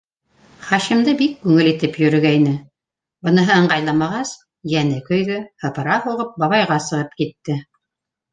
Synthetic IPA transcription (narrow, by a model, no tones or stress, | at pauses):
χɑʃimd̪ɤbikːʉŋɘlit̪ɘpjɵ̆ɾɵ̆ɡæjnɘ | bɤ̆nɤ̆ɦɤɤɴɢɑjlˠɑmɑʁɑs | jænɘkɵ̆jðɵhɤ̆pɤ̆ɾɑhuʁɤp̚bɑβɑjʁɑsɤ̆ʁɤp̚kit̪ːɘ